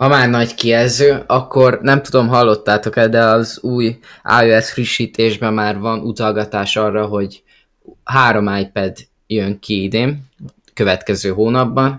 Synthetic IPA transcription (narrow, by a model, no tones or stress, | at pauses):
hɒmaːrnɒɟkijɛlzøːɒkːo̞rnɛmt̪ud̪o̞mɦɒlːo̞t̪ːaːt̪o̞kɛld̪ɛɒzuːja̰ːøɛsfriʃːiːt̪eːʒbɛmːaːrvɒnut̪ɒlɡɒt̪aːʃɒrːɒɦo̞ɟ | ɦaːɾo̞maːjpɛd̪ | jøŋkiid̪eːm | kø̞vɛt̪kɛzøːɦoːnɒbːɒn